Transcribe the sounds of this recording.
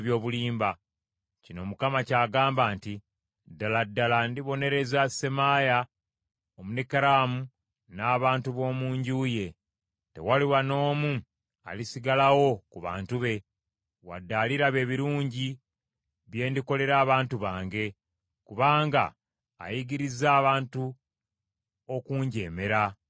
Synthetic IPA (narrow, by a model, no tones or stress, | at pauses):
βjo̞ːβuliːmba | cino̞mukamacaːɡaːmbaːnti | dːaladːalandiβo̞ne̞ɾe̞zasemaja | omunekeɾamu | naːβaːntuβo̞ːmuːɲɟuːje̞ | te̞̰waliwano̞ːmu | a̰lisiɡalawo̞kuβa̰ːntuβe̞ | wa̰dːaːliɾaβe̞ːβiɾuːɲɟi | βje̞ːndiko̞le̞ɾaːβaːntuβaːŋɡe̞ | kuβaːŋɡa̰ː | jiɡiɾizaːβaːntu | okuːɲɟeːme̞ɾa